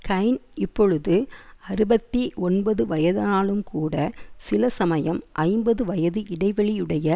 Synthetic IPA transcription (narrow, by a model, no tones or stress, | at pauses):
kɐɪnɪpːɔɻɯðɯɐɾɯbɐt̪ːiʔɔnbɐðɯʋɐjɐðaːɭɯmkuːɽɐsɪlɐsɐmɐjɐmʔɐɪmbɐðɯʋɐjɐðɯʔɪɽɐɪʋɐɭijɯɽɐjɐ